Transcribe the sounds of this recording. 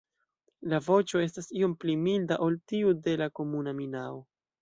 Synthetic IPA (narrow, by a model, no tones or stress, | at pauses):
lavo̞t͡ʃo̞e̞stasio̞mplimildaʔo̞ltiude̞lako̞munaminao